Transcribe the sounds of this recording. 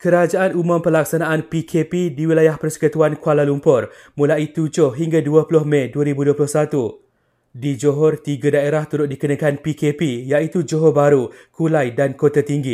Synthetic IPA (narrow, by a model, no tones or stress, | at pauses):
kəɾad͡ʒaʔanumʊ̃mpəlaksanãʔanpikʰepidiwilajahpərsə̥kət̪uankualalumpʊr | mũlait̪ud͡ʒʊhɦiŋɡaduaplʊhmɛ̃duəɾibuduəplʊhsat̪u | did͡ʒoɦɔrt̪iɡadaeɾaht̪uɾʊʔ̪̚dikənãkanpikepijaʔit̪ud͡ʒoɦɔbaɾukulajdankot̪at̪iŋɡi